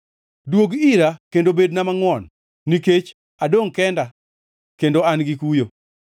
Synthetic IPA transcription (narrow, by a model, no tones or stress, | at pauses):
dwoɡiɾakendobednamaŋwɔnː | iket͡ʃ | adoŋkɛnda | kendoanɡikujo